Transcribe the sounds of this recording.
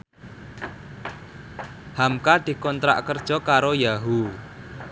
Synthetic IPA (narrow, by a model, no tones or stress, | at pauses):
hamkad̪̥i̤kɔnt̪ɾa̰ʔkərd̥ʒ̥ɔ̤kaɾojaɦu